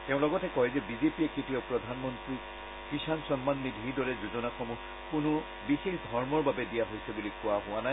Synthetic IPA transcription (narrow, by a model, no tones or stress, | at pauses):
tɛʊ̃lɔɡɔtɛkɔjzɛbizepiɛkitiɔpɹɔdʱanmɔntɹi | kisansɔnmanːidʱiɹdɔɹɛzuzɔnaxɔmu | kʊnʊ | bixexdʱɔɹmɔɹbabɛdijaɦojsɛbulikʊaɦʊwanaj